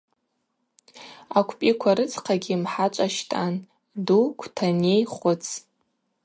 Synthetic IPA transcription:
akʷʰpʼikʷʰaɾɨt͡sʰʼqʰaɡʲimħat͡ʃʷʼaʃtʼan | dukʷʰtʰanejχʷʊt͡sʰʼ

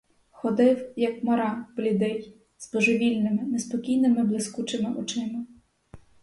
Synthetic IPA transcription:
xɔd̪ɪwjɐkmɐɾɑb̥lʲud̪ɛj | z̥bɔʒɪʋʲilʲnɪmɪnespɔkʲijnɪmɪblˠɪskut͡ʃɪmɪʔɔt͡ʃɪmɪ

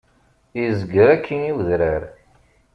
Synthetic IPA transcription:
jizəɡəɾækʰːiniwðɾəɾ

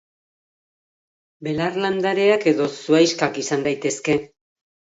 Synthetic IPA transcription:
be̞larland̪aɾe̞ake̞ðo̞suajskakisand̪ajt̪e̞ske̞

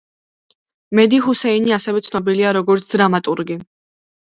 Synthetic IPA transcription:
mɛd̪iɦusɛiniasɛvɛt̪sʰnɔbiliaɾɔɡɔɾt̪sʰd̪ɾamat̪ʼuɾɡi

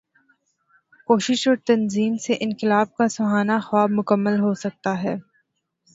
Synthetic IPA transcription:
koːʃɪʃɔːɾt̪ɐnziːmseʔɪ̃nqɪlaːb̚kasʊɦaːnaxwaːbmʊkəmːəlɦosɐk̚t̪aɦɛː

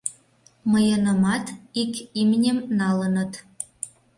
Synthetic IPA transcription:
mɤjɤnə̆mɑt̪ikimnʲĕmnɑlə̆nə̆t̪

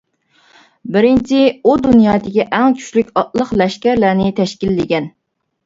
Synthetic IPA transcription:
bɪɾɪnt͡ʃʰiud̪unjɑːd̪ɪkʲiʔɛŋkʲʰy̥t͡ʃlykʲɑt̪̚lˠəqlɛʃkʲæɾlæɾnɪt̪ʰɛʃkʲilːɪɡʲɛn

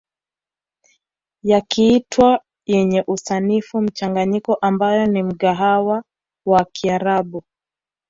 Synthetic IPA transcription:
jakiːtwa | jɛɲɛʔusanifum̩t͡ʃaŋɡaɲikɔʔambajɔnim̩ɠaɦawa | wakiaɾaɓu

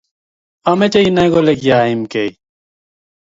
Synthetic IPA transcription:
ɐmet͡ɕeinaɡolekjaːimkei

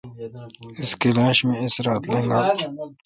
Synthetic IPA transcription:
ɪskelãːʃmẽɪsɾaːt̪lẽːŋɡaː

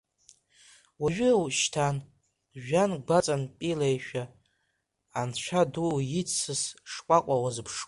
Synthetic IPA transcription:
waʒᶣʏwʃtʰan | ʒᶣanɡʷat͡sʼanpʼilejʃᶣa | nt͡ɕʷʰadujit͡sʰɨsʂkʷʼakʷʼawazɨpʰʂ

